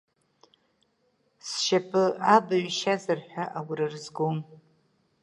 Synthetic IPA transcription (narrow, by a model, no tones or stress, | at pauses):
sʃapʰɨabaɥʃazɨrħʷᶣaʔawiɾɨrzɡom